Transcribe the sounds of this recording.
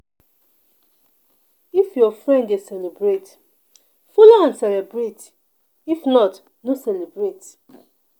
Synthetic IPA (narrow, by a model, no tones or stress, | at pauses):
ifjɔfɹɛ̃nddesɛlebɹet | fulɔãnsɛlɛbɹet | ifnɔt | nosɛlebɹet